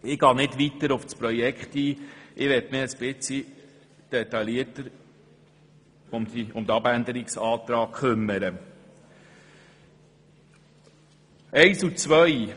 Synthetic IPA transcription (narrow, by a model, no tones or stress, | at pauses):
ɪɡ̥ɑːnɪdʋit̪əɾʊfspɾɔjɛkχt̪iːʔɪʋɛtmɪəspɪt͡si | d̥ɛt̪ɑliətəɾ | ʊmdiʊmd̪əɑbænd̪əɾɪksɑːt̪ɾɑːkkʰʏmːəɾə | ɛɪsut͡sʋœj